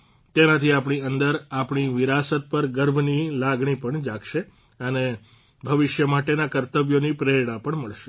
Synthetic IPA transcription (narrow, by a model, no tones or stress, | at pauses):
t̪enat̪ʰiapɳ̃iənd̪əɾapɳ̃iʋɪɾasət̪̚pəɾɡəɾbʱnilaɡɳ̃ipəɳd͡ʒakʃe | əne | bʱəʋɪʃjəmaʈenakəɾt̪əbjonipɾeɽapəɳməɭʃe̥